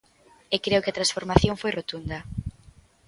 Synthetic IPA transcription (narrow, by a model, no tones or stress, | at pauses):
ekɾeʊkɪɐt̪ɾansfoɾmaθjoŋfojrot̪und̪ɐ